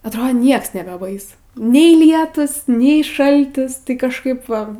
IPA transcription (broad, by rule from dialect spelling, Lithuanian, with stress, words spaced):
ɐtˈroːt ˈnʲiɛks nʲɛbʲɛˈbɐɪsʊ ˈnʲɛɪ ˈlʲiɛtuːs ˈnʲɛɪ ˈʃɐlʲtʲɪs tɐɪ kɐʃˈkɐɪp ʋɐ